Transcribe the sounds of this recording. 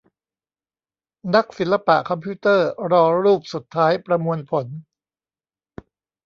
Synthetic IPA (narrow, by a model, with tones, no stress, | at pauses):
na˦˥k̚si˨˩˦nla˧pa̰˨ʔkʰɔ˧mpʰuː˦˥t̪ɤː˥˩ɾɔː˧ɾuː˥˩p̚su˨˩t̪ʰːaː˦˥jpɾa˧mu˧ənpʰo˩˦n